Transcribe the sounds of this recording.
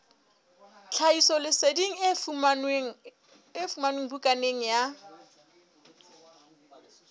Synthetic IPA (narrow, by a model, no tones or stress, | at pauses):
t͡ɬʰaisɔlɪsediŋ̩ | efumanweŋ̩bukʼaneŋ̩ja